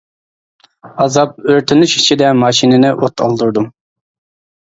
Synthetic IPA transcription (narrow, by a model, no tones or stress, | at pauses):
ɑzɑp̚øɾt̪ʰɪnyʃʰi̥t͡ʃʰid̪ɛmɑʃinɪnɪʔot̪ʰɑ̰lˠd̪uɾd̪um